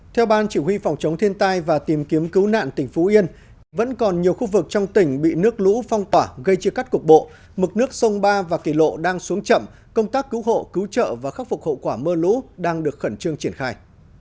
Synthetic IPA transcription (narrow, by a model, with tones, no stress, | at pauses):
t̪ʰɛ˧wɓaː˧nt͡ɕi˧˩hwi˧fɔ˨˩wŋ͡mt͡ɕə˨˦wŋ͡mt̪ʰi˧ənt̪aː˧jvaː˨˩t̪i˨˩mki˨˦əmkɨ˨˦wna̰ː˧˨nt̪ï˧˩ŋ̟fu˨˦ʔi˧ən | və̰˧˥nkɔ˨˩nɲi˨˩əwxu˧vɨ˨˩k̚t͡ɕɔ˧wŋ͡mt̪ï˧˩ŋ̟ɓḭ˧˨nɨ˦˥ək̚lṵ˧˥fɔ˧wŋ͡mt̪waː˧˩ɣə˧jt͡ɕi˧əka˦˥jt̚kʊ˨˩k̚ɓo̰˧˨ | mɨ˨˩k̚nɨ˦˥ək̚sə˧wŋ͡mɓaː˧vaː˨˩ki˧˩lo̰˧˨ɗaː˧ŋsu˨˦əŋt͡ɕə̰˧˨m | kə˧wŋ͡mt̪aː˦˥kːɨ˨˦wɦo̰˧˨kɨ˨˦wt͡ɕə̰ː˧˨vaː˨˩xa˦˥k̚fk̚ho̰˧˨kwaː˧˩məː˧lṵ˧˥ɗaː˧ŋɗɨ˨˩ək̚xə˧˩nt͡ɕɨ˧əŋt͡ɕi˧˩ənxaː˧˩j